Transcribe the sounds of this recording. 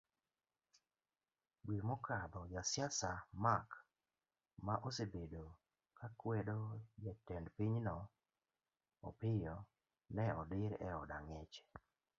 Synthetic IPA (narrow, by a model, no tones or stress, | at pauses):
ɡwimɔkʰad̪ɔjasɪjasamak | maʔosebedo | kakwɛdojɛtɛndpiɲnɔ | ɔ̰pɪjɔ | nɛɔdɪɾɛ̰ɔdaŋet͡ʃ